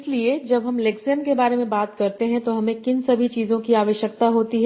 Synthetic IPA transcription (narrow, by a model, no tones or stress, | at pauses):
slied͡ʒɐbɦɐmleksɛmkebaːɾemẽbaːt̪kɐɾt̪eɦɛ̃t̪oɦɐmẽkɪnsɐbʱit͡ʃiːzõkiaːʋəʃjək̚t̪aɦoːt̪iɦɛ